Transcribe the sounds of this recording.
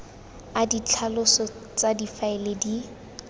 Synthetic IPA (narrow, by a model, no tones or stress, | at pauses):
adit͡ɬʰalʊsɔ | t͡sadifaɪledi